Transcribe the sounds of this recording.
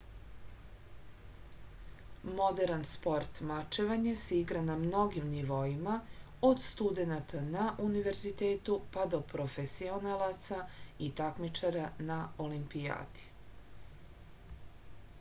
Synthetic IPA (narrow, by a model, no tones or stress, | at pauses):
mo̞d̪eɾanspo̞ɾt̪mat͡ʃeʋaɲeseiɡɾanamno̞ɡimniʋo̞ima | od̪st̪ud̪e̞nat̪ʰanaʔuniʋe̞ɾzit̪e̞ːt̪upad̪o̞pɾo̞fesio̞nalat̪sait̪akmit͡ʃaɾanao̞limpija̰ːd̪i̥